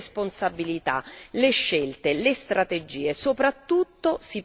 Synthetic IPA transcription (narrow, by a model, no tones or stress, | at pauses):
sponsabilit̪a̰leʃːelt̪elest̪ɾat̪ed͡ʒiːesopɾat̪ːut̪ːosi